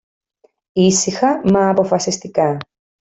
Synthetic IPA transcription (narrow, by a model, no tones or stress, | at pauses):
isixɐmɐːpo̞fɐsist̪ikɐ